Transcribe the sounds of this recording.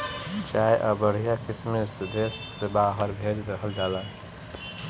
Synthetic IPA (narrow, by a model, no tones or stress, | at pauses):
t͡ʃajʔəbəɽ̤ijakismesd̪esːebaɦəɾbʱed͡ʒɾəɦəld͡ʒala